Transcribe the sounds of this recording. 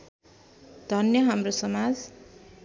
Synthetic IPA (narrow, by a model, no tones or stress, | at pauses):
d̪ʱʌnjʌɦamrosʌmad͡z